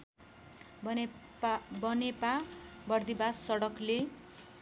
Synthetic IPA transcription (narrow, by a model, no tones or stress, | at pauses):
bʌnepabʌrd̪ibasːʌɽʌkle